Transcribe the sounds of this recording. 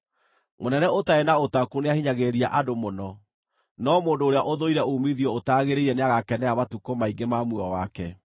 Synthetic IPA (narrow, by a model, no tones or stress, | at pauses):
monɛnɛotaenaotakuneahiɲaɣeɾia̰ʔadomonɔ | nɔmoːndoːɾeaʔoðoiɾɛomiðiɔotaɣeɾeiɾɛneaɣakɛnɛamatukomaiɡemamuɔwakɛ